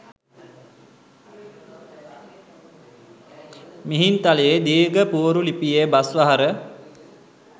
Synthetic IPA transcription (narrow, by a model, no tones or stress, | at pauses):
miɦint̪alejed̪iːɡəpuɾulipijebasʋaɦaɾə